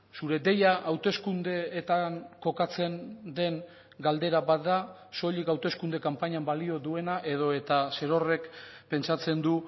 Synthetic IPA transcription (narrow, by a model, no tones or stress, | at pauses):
suɾe̞d̪e̞jaʔawt̪e̞skund̪e̞ːt̪aŋko̞kat͡se̞nd̪e̞ŋ | ɡald̪e̞ɾaβat̪d̪a | so̞ʎikawt̪e̞skund̪e̞kampaɲambalio̞ðue̞naʔe̞ð̞o̞e̞t̪ase̞ɾo̞re̞kpe̞nt͡sat͡se̞nd̪u